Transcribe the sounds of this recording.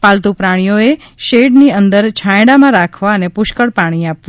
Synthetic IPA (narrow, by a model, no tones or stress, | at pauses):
palt̪upɾaɽ̃ijoeʃeɖniənd̪əɾt͡ʃʰajɽamãɾakʰʋaənepʊʃkəɽpaɽ̃iapʋa